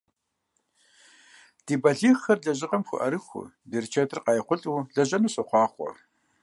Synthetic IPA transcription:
d̥iːbɐɮiːχxɐrɮɐʑɪqʼɐmxʷʊ̰ʔɐɾɨxʷʊ̰ | dirt͡ʃʰɐtʰɨrqɑjχʷʊɬʼuːɮɐʑɐnuɕʼɐχʷɑːχʷɔ̰

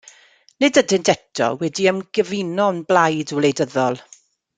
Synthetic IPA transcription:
nɪdədɪntʰɛtʰɔ̰wɛdiəmɡəvinɔnblajdɔlejdəðɔlˠ

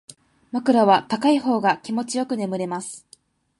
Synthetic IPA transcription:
makɯ̟ɾaβat̪akaiho̞ːɡakʲimo̞t͡ɕijo̞kɯ̟ne̞mɯ̟ɾe̞masɨ̥

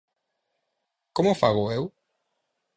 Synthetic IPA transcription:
komʊfaɣoew

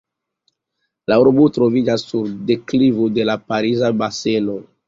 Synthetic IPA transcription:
lauɾbutɾo̞vid͡ʒasːuɾde̞klivode̞lapaɾizabaseno̞

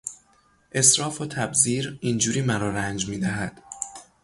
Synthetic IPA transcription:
ʔe̞sɾɒːfot̪ʰæbziːɾind͡ʒuːɾiːmæɾɒːɾænd͡ʒmiːd̪æɦæd̪̥

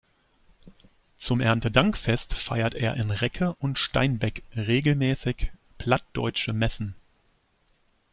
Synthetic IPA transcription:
t͡sʊmʔɛɐntədaŋkfɛstfaɪɐtʔeːɐʔɪnʁɛkʰəʔʊntʃta̰ɪnbɛkʁeːɡl̩mɛːsɪç | pʰl̥at̚d̥ɔ̰ʏt͡ʃəmɛsn̩

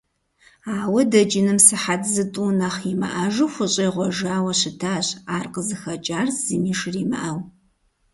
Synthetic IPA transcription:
aːwɐdɐd͡ʒɪnɨmsɨħatzɨtʼunɐχimɨ̰ʔaʒuwxʷʊɕʼɐjʁʷɔʒaːwɐɕɪtʰaːɕaːrqəzɨxɐt͡ʃʼaːrz̥ɨmiːʂriːmɨ̰ʔaw

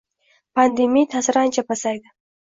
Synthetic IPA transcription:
pand̪emit̪ʰasɾant͡ʃapasajd̪a

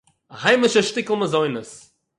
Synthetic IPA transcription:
ahaɪmɪʃəʃtɪkl̩ˠməzɔɪnəs

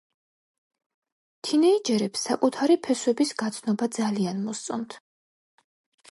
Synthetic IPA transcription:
t̪ʰinɛid͡ʒɛɾɛpsːakʼut̪ʰaɾipʰɛswɛbisɡat̪sʰnɔbad̪zalianmɔst̪sʼɔnt̪ʰ

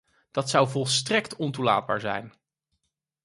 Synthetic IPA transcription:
d̥ɑtsɑwvɔlˠstrɛktɔntula̰ːd̚baːɹzɛ̰jn

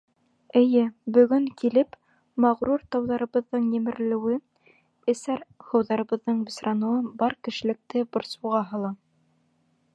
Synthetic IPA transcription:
ɘ̆jɘbɵ̆ɡɵŋkilɘp | mɑʁɾuɾt̪ɑwðɑɾɤ̆βɤ̆ðːɤɴjɘ̆mɘ̆ɾlɘ̆wɘ | ɘ̆sæɾhɤ̆wðɑɾɤ̆βɤ̆ðːɤɴbɘ̆sɾɑnuwɤbɑɾkɘ̆ʃɘ̆lɘ̆k̚t̪ɘbŏɾsuʁɑɦɤ̆lˠɑ

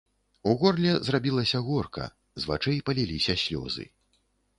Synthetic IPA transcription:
uɣɔrlʲɛzrabʲilˠɐsʲɐɣɔrkɐ̰ | zva̰t͡ʂɛjpɐlʲilʲisʲɐsʲlʲɔ̰zɨ̰

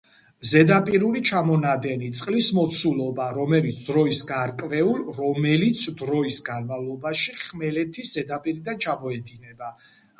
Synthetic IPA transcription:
zɛd̪apʼiɾulit͡ʃʰamɔnad̪ɛnit̪sʼqʼlismɔt̪sʰulɔbaɾɔmɛlit̪sʰd̪ɾɔisɡaɾkʼvɛulˠɾɔmɛlit̪sʰd̪ɾɔisɡanmavlˠɔbaʃiχmɛlɛt̪ʰisz̥ɛd̪apʼiɾid̪ant͡ʃʰamɔɛd̪inɛba

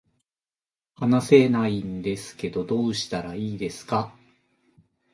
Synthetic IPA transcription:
anase̞naind̪e̞sɨ̥ke̞d̪o̞d̪o̞ːɕi̥t̪aɾaiːd̪e̞sɨ̥ka

